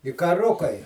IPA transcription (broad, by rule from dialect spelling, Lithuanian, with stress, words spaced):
ɪ kɐˈrʊkɐɪ